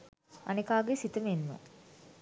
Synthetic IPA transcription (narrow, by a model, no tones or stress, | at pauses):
a̰nekaːɡesit̪əmenmə̰